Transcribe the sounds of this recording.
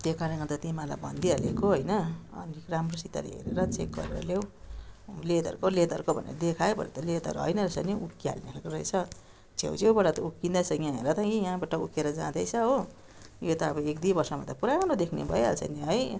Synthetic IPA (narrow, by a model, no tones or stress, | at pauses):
t̪jekaɾʌnkʌt̪ʌt̪imãla̰bʱʌ̰nd̪iɦalḛkoɦʌjnʌʌ̰nikramrosit̪a̰ɾḛɦḛɾḛɾʌt͡sek̚ɡʌ̰ɾeɾʌ̰lew | led̪ʌ̰rkoled̪ʌ̰ɾkobʱʌnḛɾʌd̪ekʰajebʱʌ̰nḛt̪ʌled̪ʌ̰ɾɦʌ̰jnʌɾesʌ̰niukia̰lnekoɾʌjt͡sʰʌ | t͡sʰḛwt͡sʰewbʌɽat̪ʌukːind̪asʰʌjãɦeɾʌt̪ʌ̃ijãbaʈʌukeɾʌd͡zãd̪ʌjt͡sʰʌɦo | jot̪ʌːbʌekd̪ibʌrsʌma̰t̪apuɾaɡʌɾod̪ekʰnḛbʱʌjea̰lsʰʌ̰niɦʌj